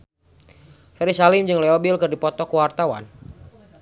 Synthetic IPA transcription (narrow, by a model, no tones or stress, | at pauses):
fɛɾisalɪmd͡ʒɨŋlɛɔbilkɨrdipɔt̪ɔkuwart̪awa̰n